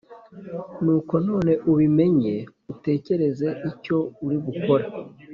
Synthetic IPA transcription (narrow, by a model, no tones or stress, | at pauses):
nuːko̞no̞ːne̞ʔuβime̞ɲe̞ | ute̞ːce̞ɾe̞ze̞ʔico̞uɾiɡuko̞ɾa